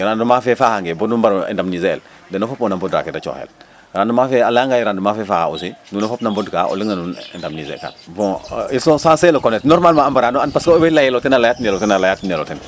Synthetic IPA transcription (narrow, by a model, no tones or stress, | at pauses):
ɾandumafɛfahaŋɡebodumbaɾḛndamnizḛːl | dɛnofopɔnambɔdɾa̰kedat͡ʃo̰ːhɛ̰l | ɾandumafɛalaŋɡajiɾandumafɛfaːhaṵsinunofopnambɔdka̰ʔo̰liŋanunḛndamnizḛka̰nbɔ̃isɔ̃sãnselokonɛtnɔɾmalmãambaɾanoanpaskoobɛlajɛlotɛnalajatnɛlotɛnalajatnɛlo̰tɛn